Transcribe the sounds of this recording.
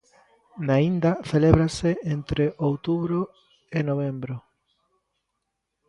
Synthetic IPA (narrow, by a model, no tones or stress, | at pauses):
naind̪aθeleβɾaseent̪ɾeʔowt̪uβɾo | enoβ̞embɾo